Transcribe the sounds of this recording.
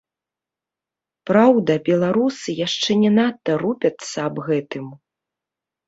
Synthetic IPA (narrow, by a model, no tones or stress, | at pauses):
pɾawd̪ɐbʲɛlˠaɾusɨjaʂt͡ʂɛnʲɛnat̪ːɐɾupʲɐt̪sːɐːbɣɛt̪ɨm